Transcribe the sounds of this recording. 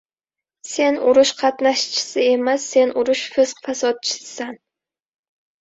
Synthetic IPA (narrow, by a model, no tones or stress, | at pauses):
se̞nʊɾʊʃqʰɑt̪naʃt͡ʃʰɪ̥sɪe̞masːe̞nʔʊɾʊʃfɪzqfasɒt̪̚t͡ʃʰɪ̥ssan